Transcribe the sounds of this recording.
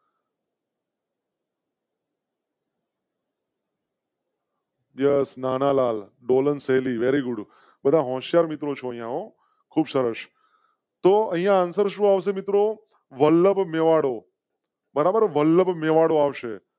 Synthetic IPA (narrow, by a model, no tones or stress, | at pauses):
jesnanalaːlɖoːlənseliʋeɾiɡʊɖ | bəd̪ʱaɦɔ̃ːʃjaɾmit̪ɾot͡ʃʰoə̃ɦĩjãɦo | kʰuːbsəɾəʃ | t̪oə̃ɦĩjãːnsəɾʃũːaʋs̬emit̪ɾo | ʋəlːəbmeʋaɽo | bəɾabəɾʋəlːəbmeʋaɽoaʋʃe